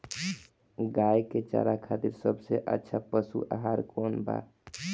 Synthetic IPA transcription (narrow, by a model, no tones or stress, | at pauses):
ɡajket͡ʃa̰ɾakʰat̪iɾsəbʱseʔə̰tːʃʰapəsṵʔa̰ɦaɾkonba̰